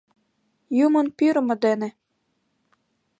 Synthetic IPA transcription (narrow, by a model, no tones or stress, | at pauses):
jumɤ̆npyɾmɤ̆d̪enĕ